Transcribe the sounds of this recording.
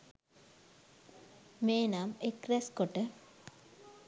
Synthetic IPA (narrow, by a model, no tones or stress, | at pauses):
meːnamekɾɛskoʈə